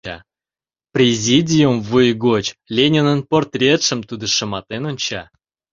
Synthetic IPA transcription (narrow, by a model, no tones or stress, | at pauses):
ɑ̰ | prʲezʲidʲijumvujɡot͡ɕlʲenʲenənport̪rʲet̪ʂə̆mt̪ud̪ə̆ʂə̆mɑt̪enonʲt͡ɕɑ